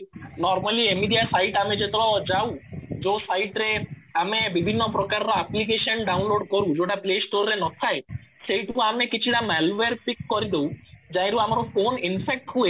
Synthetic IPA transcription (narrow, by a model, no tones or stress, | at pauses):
nɔɾmaliemiɖijasajʈamed͡ʒet̪ad͡ʒawd͡ʒosajʈɾe | amebibʱinːopɾɔkaɾɾoaplik̬eʃɔnɖawnloɖkoɾũd͡ʒoʈaplesʈoɾːenɔt̪ʰaeʃejʈukuamekit͡ʃʰiʈamɛlʋeɾpikːɔɾid̪ewd͡ʒajɾuamaɾofoninpʰek̚ʈɦue